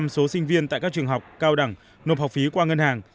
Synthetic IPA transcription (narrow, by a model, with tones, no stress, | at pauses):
mso˨˦sï˧ŋ̟vi˧ənt̪a̰ː˧˨jkaː˦˥k̚t͡ɕɨ˨˩əŋɦa˨˩wk͡p̚kaː˧wɗa˧˩ŋ | no˨˩p̚ha˨˩wk͡p̚fi˨˦kwaː˧ŋə˧nhaː˨˩ŋ